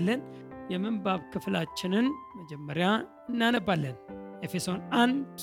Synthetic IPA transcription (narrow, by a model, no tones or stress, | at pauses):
lːənjɛmɨnbaβkʰɨflat͡ʃːɪnɨnməd͡ʒɛmːəɾja | ɨnːanəbalːənʔefeso̞nand̪